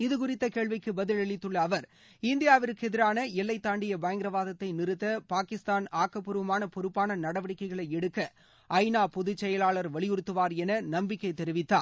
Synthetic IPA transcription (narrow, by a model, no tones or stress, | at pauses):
ɪðɯkʊrɪt̪ːɐkeːɭʋɪkːɯbɐðɪlɛɭɪt̪ːɯɭːɐːʋɐɾ | ɪnd̪ɪjaːʋɪɾɯkːɯɛðɪɾaːnɐɛlːɐɪt̪ːaːɳɖɪjɐbɐjɐŋɡɾɐʋaːðɐt̪ːɐɪnɪɾɯt̪ːɐpaːkɪst̪aːnaːkːɐpːɯɾɯʋɐmaːnɐpɔɾɯpːaːnɐnɐɽɐʋɐɽɪkːɐɪɣɐɭɐɪɛɽɯkːɐ | ʔɐɪnaːpɔðɯt͡ʃːɛjɐlaːɭɐɾʋɐɭɪjʊɾɯt̪ːɯʋaːɾɛnɐnɐmbɪkːɐɪt̪ɛɾɪʋɪt̪ːaː